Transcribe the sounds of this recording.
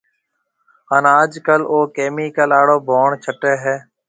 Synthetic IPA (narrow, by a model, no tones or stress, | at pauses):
ənaːd͡ʒkəloːkeːmiːkəlaːɽoːbʱoːɳt͡ʃʰəʈeːɦɛː